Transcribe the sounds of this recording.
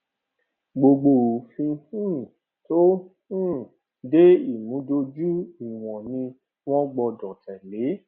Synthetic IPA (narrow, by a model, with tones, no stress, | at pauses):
ɡ͡bo˧ɡ͡bo˧˨fĩ˧hĩ˦˨ | to˦hĩ˦˨ | de˦i˦˨mũ˨˦do˧d͡ʒu˦i˨w̃ɔ̃˨nĩ˧ | w̃ɔ̃˦ɡ͡bɔ˧dɔ˨tɛ˨le˨˦